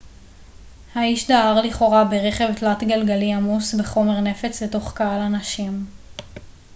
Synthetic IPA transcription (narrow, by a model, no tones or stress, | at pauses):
haiʃdaaʁliχo̞ʁabeʁe̞χe̞vtlatɡalɡaliamusbeχo̞me̞ʁne̞fe̞t͡sleto̞χkaalanaʃim